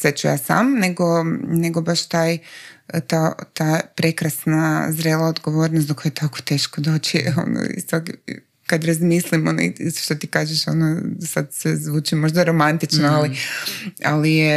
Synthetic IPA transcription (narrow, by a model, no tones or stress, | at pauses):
sʋet͡ʃuja̰ːsa̰mneɡo̞ne̞ɡobaʃt̪aːj | t̪at̪aːpɾe̞kɾasnazɾe̞ːlaod̪ɡo̞ʋo̞ːɾnosakojet̪ʰako̥t̪e̞ːʃkod̪o̞ːt͡ʃio̰no̰ḭst̪ok | kad̪ɾazmislimon̰iiso̥ʃt̪ot̪ikaːʒeʃo̰nosad̪sezʋuːt͡ʃimo̞ʒd̪aɾo̞mant̪it͡ʃnoali | alije